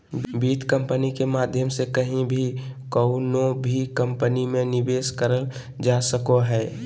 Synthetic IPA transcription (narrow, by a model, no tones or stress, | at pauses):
biːt̪kə̃mpənikemaːd̪ʱjəmsekəɦĩbʱikəʊnobʱikə̃mpənimẽnɪbeːskəɾəl | d͡ʒasəkoɦɛː